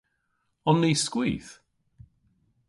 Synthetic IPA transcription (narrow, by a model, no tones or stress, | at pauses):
ɔnːejskwiːθ